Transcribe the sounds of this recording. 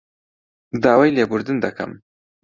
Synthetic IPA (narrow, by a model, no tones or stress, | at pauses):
d̪ɑːwajlebʊɾd̪ɪnd̪akʰa̰m